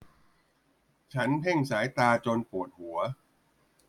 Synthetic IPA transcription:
t͡ɕʰa˦˥npʰe˥˩ŋsaː˩˦jt̪aː˧t͡ɕo˧npu˨˩ət̪̚hu˩˦ɐ

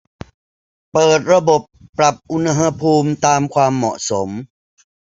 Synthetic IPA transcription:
pɤː˨˩t̪̚ɾa˧bo˨˩pːɾa˨˩p̚ʔu˧nha˧ɦa˧pʰuː˧mt̪aː˧mkʰwaː˧mːɔ̰˨˩ʔso˩˦m

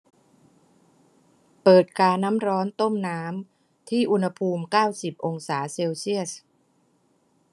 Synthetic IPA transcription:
pɤː˨˩t̪̚kaː˧nːa˦˥mɾɔː˦˥nt̪o˥˩mnaː˦˥m | t̪ʰiː˥˩ʔu˧nha˧pʰuː˧mkaː˥˩wsi˨˩p̚ʔo˧ŋsaː˩˦seː˧wsi˥˩əs

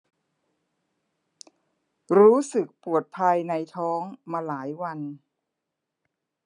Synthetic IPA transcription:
ɾuː˦˥sɯ˨˩k̚pu˨˩ət̪̚pʰa˧jna˧jt̪ʰɔː˦˥ŋmaː˧laː˩˦jwa˧n

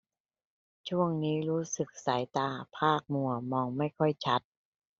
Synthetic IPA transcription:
t͡ɕʰu˥˩əŋniː˦˥ɾuː˦˥sɯ˨˩k̚sa˩˦jt̪aː˧˩pʰaː˥˩k̚mu˨˩ɐmɔː˧ŋma˥˩jkʰɔ˥˩jt͡ɕʰa˦˥t̪̚

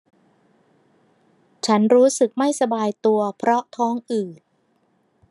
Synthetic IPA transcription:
t͡ɕʰa˦˥nɾuː˦˥sɯ˨˩k̚ma˥˩jsa˧baː˧jt̪u˧ɐpʰɾɔ˦˥t̪ʰɔː˦˥ŋʔɯː˨˩t̪̚

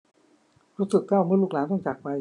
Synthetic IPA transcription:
ɾuː˦˥sɯ˨˩k̚ka˥˩wmɯ˥˩lu˥˩k̚laː˩˦nt̪ʰɔ˥˩ŋt͡ɕaː˨˩k̚pa˧j

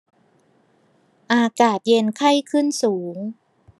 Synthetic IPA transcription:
ʔaː˧kaː˨˩t̪̚je˧nkʰa˥˩jkʰɯ˥˩nsuː˩˦ŋ

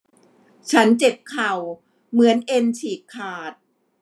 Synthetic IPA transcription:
t͡ɕʰa˦˥nt͡ɕe˨˩p̚kʰa˨˩w | mɯ˩˦ənʔe˧nt͡ɕʰiː˨˩kkʰːaː˨˩t̪̚

